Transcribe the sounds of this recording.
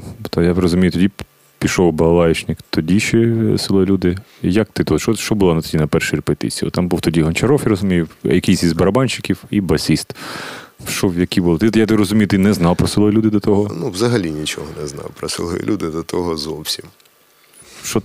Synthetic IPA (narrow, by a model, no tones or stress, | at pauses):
t̪ɐjaɾɔzʊmʲijʊt̪ɔdʲi | pʲiʃɔwbɐɐlˠɑjɪt͡ʃnɪkt̪ɔdʲiʃɛsɪlˠɔjilʲud̪ɪjɐk̚t̪ɪt̪ut̪ʃɔʃt͡ʃɔbʊlˠɔnɐt̪ɔdʲinɐpɛrʃɪɾʲɪpet̪ɪ̰t͡sʲijɔ̰t̪ɑmbuwt̪ɔdʲiɦɐnʲt͡ʃɐɾɔfiɾɔzʊmʲijɪwjɐkʲijsʲizʲbɐɾɐbɑnʲt͡ʃɪ̥kʲiwibɐsʲist̪ | ʃt͡ʃɔwjɐkʲibʊlˠt̪ɪjat̪ɪɾɔzʊmʲijʊt̪ɪnɛznɑwpɾɔsɪlˠɔjilʲud̪ɪd̪ɐt̪ɔɦɔnuwʋzɐɦɐlʲinʲit͡ʃɔ̰ɦɔnɛznɑ̰wpɾɔsɪ̰lˠɔjḭlʲud̪ɪd̪ɐt̪ɔɦɔzɔwsʲim | ʃt͡ʃɔ